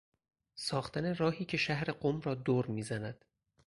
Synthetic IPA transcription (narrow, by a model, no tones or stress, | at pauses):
sɒːxt̪ʰæne̞ɾɒːhiːcʰe̞ʃæhɾe̞ɢomrɒːd̪oːɾmiːzænæd̪̥